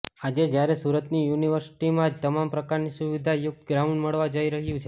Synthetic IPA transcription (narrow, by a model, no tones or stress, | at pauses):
ad͡ʒed͡ʒjaɾesuɾət̪nijuniʋəɾsi̥ʈimãd͡ʒt̪əmampɾəkaɾnisuʋid̪ʱajʊk̚t̪ɡɾauɳɖməɭʋad͡ʒəiɾəɦjũt͡ʃʰe